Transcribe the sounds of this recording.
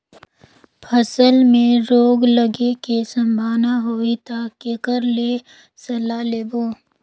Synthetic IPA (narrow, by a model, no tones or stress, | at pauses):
pʰəsəlmẽɾoːɡləɡekesɐmbʱaːnaɦoːit̪akekəɾle | sɐlaːleːboː